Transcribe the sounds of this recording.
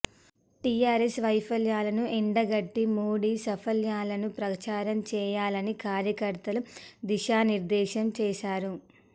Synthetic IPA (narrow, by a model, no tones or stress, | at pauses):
ʈijaːɾesʋɐjpʰɐljaːlɐnuʔɛɳɖɐɡɐʈːimoːɽiːsɐpʰɐljaːlɐnupɾɐt͡ʃaːɾɐmt͡ʃɛːjaːlɐnikaːɾjɐkɐɾt̪ɐlud̪iʃaːniɾd̪ɛːʃɐmt͡ʃɛːʃaːɾu